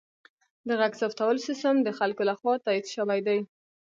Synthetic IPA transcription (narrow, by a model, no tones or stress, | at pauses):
d̪əɣaɡsɑft̪awəlsɪst̪əmd̪əxalkolaxwɑt̪ɑid̪ʃəwajd̪aj